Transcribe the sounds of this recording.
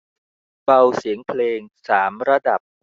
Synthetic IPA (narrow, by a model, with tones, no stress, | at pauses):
ba˧wsi˩˦əŋpʰleː˧ŋsaː˩˦mɾa˧da˨˩p̚